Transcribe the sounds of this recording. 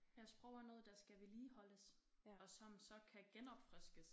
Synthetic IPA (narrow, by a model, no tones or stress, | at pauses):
jɑ̈ɪsb̥ʁœʊ̰ɐnɔ̽ːð̞̩ˠd̥ɑ̈sɡ̥æʋiliːɦɒ̽ləs | ɒ̽sɒ̽msɒ̽kʰæɡ̥enɒ̽b̥fʁɛsɡ̥əs